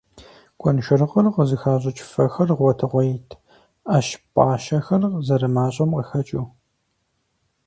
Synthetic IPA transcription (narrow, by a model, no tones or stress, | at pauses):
kʷʰʼɔnʃɐrʁərqəzɨxaːɕ̬ʼɐt͡ʃʼɪ̥fɐxɐrʁʷɔtʰɨʁʷɔjitʰ | aːʃpʼa̰ːʃɐxɐrzɐɾɨmaːɕʼɐmqəxɐt͡ʃʼuː